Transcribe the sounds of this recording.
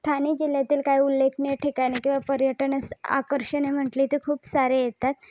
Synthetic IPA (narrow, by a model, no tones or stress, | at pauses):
t̪ʰaniːd͡ʑil̤jat̪iːlkaiulːekʰneʈʰikaɽ̃ikĩw̃ʋapəɾjəʈənəsa̰kəɾɕənem̤əʈliːt̪ekʰuːpsaɾejet̪at̪